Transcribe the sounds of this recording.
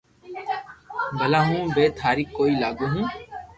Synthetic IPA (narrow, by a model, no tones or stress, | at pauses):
bəlaːɦũːbeːt̪ʰaːɾiːkːoːiːlaːɡuːɦũː